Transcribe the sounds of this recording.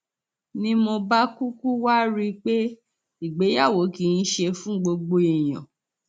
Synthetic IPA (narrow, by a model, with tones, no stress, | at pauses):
nĩ˧˦mo˧ba˦ku˦ku˦wa˦ɾi˦k͡pe˦ | i˨ɡ͡be˨˦ja˦˨wo˨˦ki˧n̩˦ʃe˧fũ˦ɡ͡bo˧ɡ͡bo˧i˨j̃ã̰˨